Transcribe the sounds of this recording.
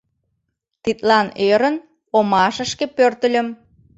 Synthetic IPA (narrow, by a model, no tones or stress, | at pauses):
t̪it̪̚lɑneɾən | omɑʃəʃkepørt̪əlʲə̆m